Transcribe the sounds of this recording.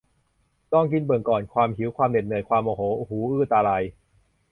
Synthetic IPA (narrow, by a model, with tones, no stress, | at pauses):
t̪ɔ˥˩ŋk̬i˧nbɯ˨˩ə˩ŋkɔː˨˩nkʰwaː˧mɦi˩˦wkʰwaː˧mnde˨˩nɯ˨˩əjkʰwaː˧mʔo˨˩hoː˩˦ʔu˨˩huː˨˦ʔɯː˥˩t̪aː˧ɾa˧j